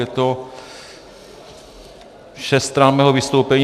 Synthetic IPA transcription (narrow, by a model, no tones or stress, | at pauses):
ɛt̪o | ʃɛst̪ɾammːɛːɦovɪst̪owpɛɲ